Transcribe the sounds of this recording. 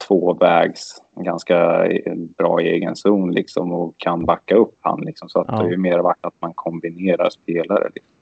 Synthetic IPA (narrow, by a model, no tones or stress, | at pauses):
t̪ʰv̥oːvɛːɡsɡanska | bɾɑ̰ːeːɡənsuːnlɪksɔ̰mɔkʰːanbakːaɵpːha̰nːlɪksɔmsɔat̪d̪ɛhajɵmeːɾvaʈːat̪̚mankʰɔmbɪneːɾa̰ɾspʰeːlaɾə̰lɪksm